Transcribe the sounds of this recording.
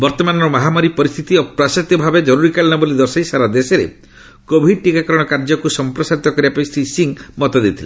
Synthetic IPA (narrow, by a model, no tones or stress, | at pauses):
bɔɾt̪ɔmanɔɾɔmaɦamaɾipɔɾist̪ʰit̪iɔpɾasɔt̪jɔbʱabed͡ʒɔɾuɾikaliñɔbolid̪ɔsɔisaɾad̪esɔɾḛ | kobʱiɖ̚ʈikakɔɾɔɽ̃ɔkaɾd͡ʒɔkusɔmpɾɔsaɾit̪ɔkɔɾibapaisisiŋmɔt̪ɔd̪et̪ʰile